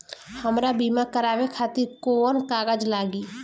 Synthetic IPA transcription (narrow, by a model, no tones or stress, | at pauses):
həmɾabiːmakəɾaːʋekʰaːt̪ɪɾkoːnkaːɡəd͡ʒlaːɡiː